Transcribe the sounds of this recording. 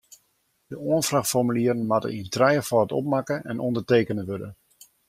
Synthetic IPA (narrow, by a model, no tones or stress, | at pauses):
d̥əoənfraxtfɔrmyliəɾənmatə̰intrɛjəfɔətɔ̰p̚makəɛnʔɔndərteːkənənʋødə̰